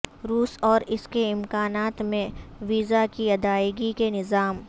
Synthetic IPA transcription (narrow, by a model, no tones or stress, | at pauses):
ɾuːsɔːɾɪskeɪmkaːnaːt̪mẽʋiːzakiɐd̪aːɪɡikenɪzaːm